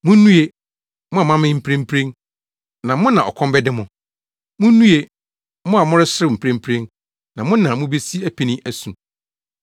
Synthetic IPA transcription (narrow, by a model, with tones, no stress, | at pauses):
mʊ̃˦nũ˦e˨ | mʊ̃˦a˨mã˦mɪ̃˦m̩˦pʰɾẽ˦m̩˦pʰɾẽ˦n | nã˨mʊ̃˦nã˨ɔ̰˨kʰɔ̃˦mbɛ˦dɪ˦mʊ̃˨ | mʊ̃˦nũ˦e˨ | mʊ̃˦a˨mʊ̃˦ɾɪ˦sɪ˦ɾɪ˦˨m̩˨pʰɾẽ˦m̩˦pʰɾẽ˦n | nã˨mʊ̃˦nã˨mʊ̃˦be˦si˦æ˦pʰi˨nĩ˦ʔæ˦sũ˨